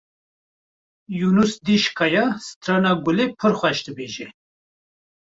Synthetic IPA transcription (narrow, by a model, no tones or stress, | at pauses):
junusd̪iʃkʰɑjɑst̪ɾanaɡulepʰəɾxʷɛʃd̪ɨbeːʒe